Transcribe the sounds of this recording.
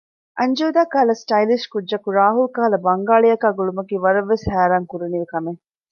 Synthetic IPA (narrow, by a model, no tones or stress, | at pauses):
ʔɐɲd͡ʒoːd̪aːkaːlɐsʈɐjliʃkudːɐkuɾaːɦulkaːlɐbɐŋɡaːɭijɐkaːɡuɭumɐkiːʋɐɾɐʋːeshæːɾaːŋkuɾuniʋekɐme